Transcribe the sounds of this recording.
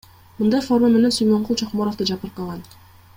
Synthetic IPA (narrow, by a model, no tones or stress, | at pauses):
mɯnd̪ɑjfo̞rmame̞nesyjmoɴqulˠt͡ʃʰoqmoɾoft̪ɯd͡ʒɑpɯɾqɑlˠʁɑn